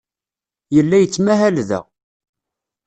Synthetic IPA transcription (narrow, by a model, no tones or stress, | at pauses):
jəlːæjət͡sːmæɦælðæ̰